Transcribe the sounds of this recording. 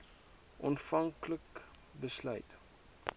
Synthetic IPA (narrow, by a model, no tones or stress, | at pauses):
ɔnfɐŋklək | bəslœ̰ɥt